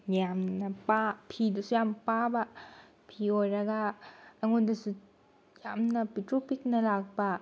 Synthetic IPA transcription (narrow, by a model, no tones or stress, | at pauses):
jamnapapʰidusujampaba | pʰiojɾɐɡaːŋundusu | jamnɐpitɾupik̚nɐlak̚ba